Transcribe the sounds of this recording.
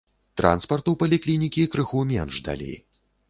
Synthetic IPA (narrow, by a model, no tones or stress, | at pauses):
t̪ɾʔa̰nspɐrt̪uwpɐlʲiklʲinʲikʲikɾɨxumʲɛnʐd̪a̰lʲḛj